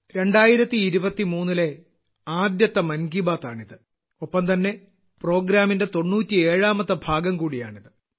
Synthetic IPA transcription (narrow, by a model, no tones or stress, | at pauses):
ɾe̞ɳɖaːjiɾɐt̪ːiːɾubɐt̪ːimuːnːile̞ | aːd̪jɐt̪ːɐmɐnɡibaːt̪ːaːɳiðɨ | opːɐmt̪ɐnːe̞ | pro̞ːɡɾaːminde̞t̪o̞ɳːuːtʲːieːɻaːmɐt̪ːɐbʱaːɡɐmkuːɽija̰ːɳiðɨ